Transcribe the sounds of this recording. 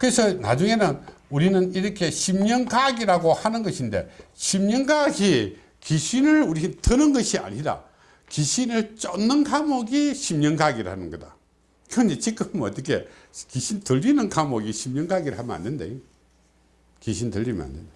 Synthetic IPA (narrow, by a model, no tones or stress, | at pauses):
kɯɾesʰʌna̰d͡ʑuŋe̞nɯnuɾinɯniɾʌkʰe̞ɕʰimɲʌŋɡaɡiɾaɡohanɯnɡʌɕʰinde̞̰ɕʰimɲʌŋɡaɡi | kiɕʰinɯɭuɾitɯnɯnɡʌɕia̰ɲida̰ | kiɕʰinɯɭt͡ɕʌnːɯnkamoɡiɕʰimɲʌŋɡaɡiɾɯ̰hanɯnɡʌda | kɯɾʌnit͡ɕik͈ɯmʌt͈ːʌkʰe̞ | kiɕʰintɯʎːinɯnkamoɡiɕʰimɲʌŋɡaɡiɾɯɭhamjʌna̰nːɯnda̰jo | kiɕʰintɯʎːimə̰na̰nːenda